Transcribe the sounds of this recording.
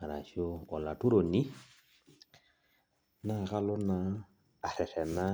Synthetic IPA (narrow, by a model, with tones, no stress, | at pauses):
a˨ɾa˨ʃi˦o˦ɔ˨la˨tu˦ɾo˨ni˦ | na˦˨ka˦lo˦naː˦˨ | ɾɛ˨fɛ˨na˦